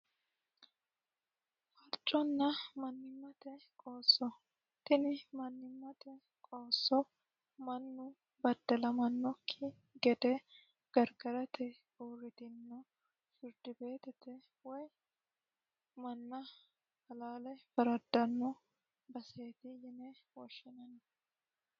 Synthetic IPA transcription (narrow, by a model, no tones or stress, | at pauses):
fɐɾt͡ʃʼːɔnːɐmɐnːɪmːɐt̪ɛkʼoːsːɔ | t̪ːɪnɪmɐnːɪmːɐt̪ɛ | kʼoːsːɔ | mɐnːʊ | bɐd̪ːɐlɐmɐnːɔkʰːɪ | ɡɛd̪ɛ | ɡ̥ɐɾɡɐɾɐt̪ɛ | oːɾɪt̪ɪnːɔ | fɪɾd̪̥ɪbe̞ːt̪ɛt̪ɛ | wɔj | mɐnːɐ | fɐlaːlɛfɐɾɐd̪ːɐnːɔ | bɐseːt̪ɪjɪnɛwɔʃːɪnɐn